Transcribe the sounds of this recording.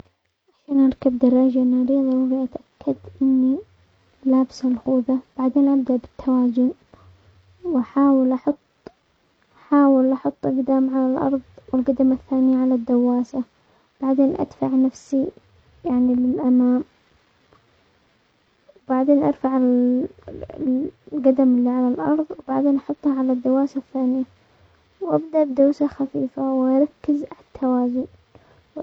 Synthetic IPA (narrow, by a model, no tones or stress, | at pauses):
ʕaʃaːnʔɑɾˤkabd̪ɑrˤːɑːd͡ʒanaːɾiːðˤɑwawiʔat̪ʔakʰːad̪ʔɪnːi | laːbɪshalxuːðab̥aʕd̪eːnʔabd̪aʔbɪt̪ʰːawaːzʊn | wʔaħaːwɪlʔɑħʊt̪ˤː | ʔħaːwɪlʔɑħɑt̪ˤːʔɪɡd̪aːmʕalalʔɑ̰ɾˤðˤwɪlɡad̪amaθːaːnɪjaʕalad̪ːawːaːsa | b̥aʕd̪eːnʔa̰d̪faʕnafsi | jaʕnilɪlʔamaːm | wb̥aʕd̪eːnʔɑɾfaʕɪ | lɡad̪amɪlːiʕalalʔɑɾˤðˤwbaʕd̪eːnʔɑħʊt̪ˤːhaʕalad̪ːawːaːsaθːaːnɪja | wʔabd̪aʔbɪd̪aːsaxafiːfawʔaɾˤɑkːɪzt̪ʰːawaːzi